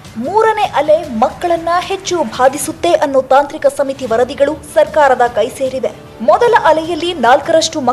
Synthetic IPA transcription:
muːɾɐne̞ʔɐlemɐkːɐɭɐnːɐhe̞t͡ʃːubʱaːd̪isut̪ːe̞ʔɐnːut̪aːnt̪ɾikɐsɐmit̪iʋɐɾɐd̪iɡɐɭusɐɾkaːɾɐd̪ɐkɐjseːɾid̪e̞ | mɔd̪ɐlɐʔɐlɛjɐlːinaːlkɐɾɐʂʈumɐ

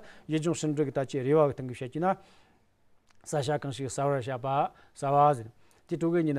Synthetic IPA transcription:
ʑəɦd͡ʑoŋɕəɳɖ͡ʐək̚t̪at͡ɕirewawəht̪aŋɡəp̚ɕalt͡ɕəna | saɕ̬akaŋɕək̚sawarɕ̬apa | sawazen | t̪eʈ͡ʂokəɦɲən

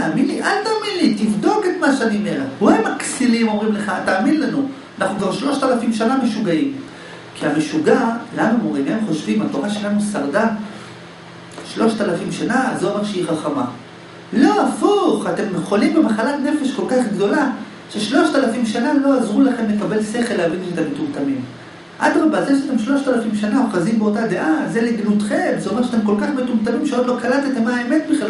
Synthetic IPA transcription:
aːminliʔalt̪aːminlitivdo̞ke̞t̪maʃeaniome̞ʁethuaemaksilimo̞mʁimleχaːtaːminlanu | anaχnukvaʁʃlo̞ʃt̪alafimʃaname̞ʃuɡaim | kiame̞ʃuɡalanumoʁimaemχo̞ʃvimatoʁaʃelanusaʁda | ʃlo̞ʃt̪alafimʃanaːzoomeʁʃeiχaχama̰ | lo̞afuχate̞mjeχo̞limbe̞maχalatne̞fe̞ʃko̞lkaχɡdo̞la | ʃeʃlo̞ʃt̪alafimʃanalo̞azʁulaχe̞mle̞kabe̞lse̞χe̞leavinmet̪ametumt̪amim | ʔa̰t̪mabaːtliʃat̪emʃlo̞ʃt̪alafimʃanaoχazimbeo̞tade̞ʔaze̞liɡnutχe̞mzeomeʁʃat̬e̞mk̬o̞lkaχmetumtamimʃeod̪lokalat̪at̪emaːeme̞tbiχ

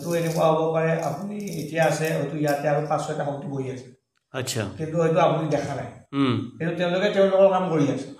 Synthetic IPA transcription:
tuenɛkuwaɦobɔpaɹɛʔa̰punietijaːsɛɦojtuijatɛaɹupasɔɛtaɦɔŋtiboiasɛ̥ | atsʰa̰kintuɦojt̬uapunidɛkʰana̰jkintutɛʊ̃lʊkɛtɛʊ̃lʊkɔɹkamkoɹiasɛ̥

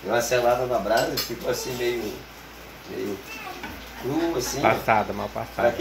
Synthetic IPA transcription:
ewaselad̪ɐnabɾasifikoasĩmejʊ | mḛjʊ | kɾuasĩpasad̪ɐmawpa̰saɾak

